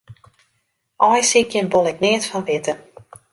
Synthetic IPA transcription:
ʔɔjsikjənbolˠɪknɪətfɔnʋɪtə

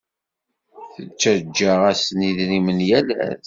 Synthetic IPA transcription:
θət͡ʃːæd͡ʒːaʁæsniðɾimənjælæ̰ð

